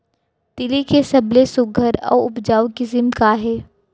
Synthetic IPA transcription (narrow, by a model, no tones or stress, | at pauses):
t̪ɪlikesɐblesʊɡʱəɾɔ̰ːɾʊpd͡ʒaːokizɪmkaɦɛː